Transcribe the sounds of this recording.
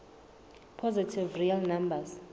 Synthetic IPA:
pʰɔzitʰivrialnambas

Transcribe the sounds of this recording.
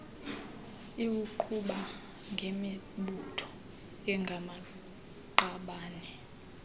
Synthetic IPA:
iwuǃʰuɓa | ŋɡʱemi | ɓutʰɔ̥ | ɛŋɡʱama | ǃaɓaːnɛ

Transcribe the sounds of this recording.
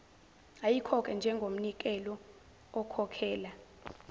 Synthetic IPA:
ajikʰɔk̬ʰʼɛnd͡ʒʱɛŋɡʱom̩nik̬ɛlɔː | kʰɔkʰɛːla

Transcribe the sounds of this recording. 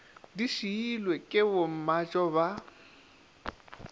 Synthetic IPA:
diʃiilwekʼɪbʊm̩mat͡ʃʼɔba

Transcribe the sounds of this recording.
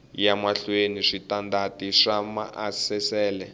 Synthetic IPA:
jamaɬweniʂitandatiʂama̰ʔasɛsɛːlɛ

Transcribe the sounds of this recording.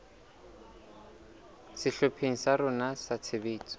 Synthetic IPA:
sɪɬopʰeŋ̩sarʊnasat͡sʰɪbeːt͡sʼɔ̥

